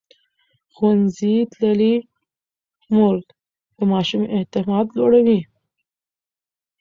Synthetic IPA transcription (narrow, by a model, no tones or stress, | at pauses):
xwanzit̪lali | mʊɾd̪ | d̪̥əmɑʃumʔet̪ɪmɑd̪loɽawi